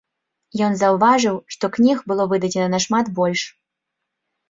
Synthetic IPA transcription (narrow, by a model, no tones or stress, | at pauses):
jɔnzɐwvaʐɨwʂt̪ɔknʲixbɨlˠɔvɨd̪ɐd͡zʲɛnɐnɐʂmad̪bɔlʲʂ